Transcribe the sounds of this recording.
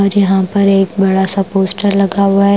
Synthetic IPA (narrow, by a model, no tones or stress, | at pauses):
ɔɾjɐɦãpɐɾeːkbɐɽaːsapoːsʈəɾlɐɡaːʋaɛ